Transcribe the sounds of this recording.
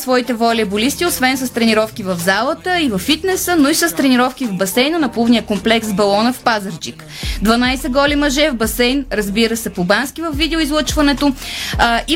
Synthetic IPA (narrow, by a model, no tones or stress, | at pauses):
svɔit̪ɛvɔlʲiəbolist̪iosvɛnsəst̪ɾɛniɾɔfkivəvzalˠət̪əivɐfːit̪nɛsənoisəst̪ɾɛniɾɔfk̟ivbɐsɛjnənɐplˠuvnijəkomplɛksbɐlˠɔnəfpazəɾd͡ʒik | d̪vɐnajsɛɡɔlʲimɐʒɛvbɐsɛjnɾɐzbiɾəsɛpobanskivəvːid̪ɛʊizlˠɤət͡ʃvɐnɛt̪o | i